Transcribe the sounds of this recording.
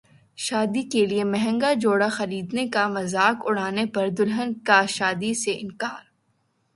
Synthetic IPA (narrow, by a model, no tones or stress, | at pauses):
ʃaːd̪ikeliemɛɦɛ̃ŋɡad͡ʒoːɽaxɐɾiːd̪nekamɐzaːkʊɽ̤aːnepɐɾd̪ʊlɦənkaʃaːd̪iseʔɪ̃nkaːɾ